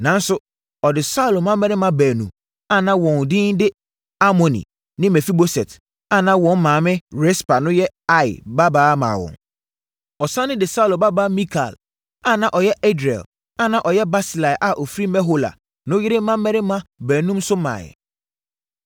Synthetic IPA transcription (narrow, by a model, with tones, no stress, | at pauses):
nã˨˦n̩˦sʊ˦ | ɔ˨dɪ˨sa˦˨lo˨mã˦mːɛ˦ɾɪ˦mã˦bæː˨nṵ̃˨m | a˨nã˦wɔ̃˨n˨dɪ̃˦ndɪ˦ | a˦mɔ̃˨nḭ̃˨ | nɪ̃˦mɛ˨fi˦bo˦sɛ˨t | a˨nã˦wɔ̃˨n˦mãː˨mɪ̃˦ɾɛ˦spa˨nʊ̃˦jɛ˦a˦ɪ̰˨ba˦baː˦mã̰ː˨wɔ̰̃˨n | ɔ˨sã˦nɪ̃˦dɪ˨sa˦u˨lo˨ba˦baː˦mĩ˦kʰa̰˨l | a˨nã˨ʔɔ˨jɛ˦ʔɛ˦dɾɛ̰˨l | a˨nã˦˨ʔɔ˨jɛ˦ba˦si˨la˨ɪ˨ʔa˨ʔɔ˨fi˦ɾi˦mɛ˦ɦo˦la̰˨ | nʊ̃˦jɪ˦ɾɪ˦mã˦mː˦ɛ˦ɾɪ˦mã˦bæː˨nũ˦msʊ˦mã̰ː˨jɛ̰˨